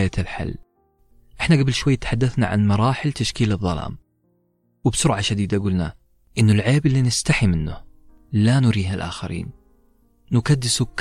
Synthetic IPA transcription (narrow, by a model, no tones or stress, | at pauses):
jat̪ɪlħa̰lː | ʔɪħnaɡabɪlʃwajːt̪ħad̪ːaθna̰ʕa̰nmɑɾˤɑːħɪlt̪aʃkiːlɨðˤːɑlɑ̰ːm | wɪbsʊɾʕaʃad̪iːd̪aɡuːlna | ʔɪnːʊlʕeːbɪlːinɪst̪aħimɪnːʊ | lanʊɾiːɦalʔa̰ːxaɾḭːn | nʊkad̪ːɪsukː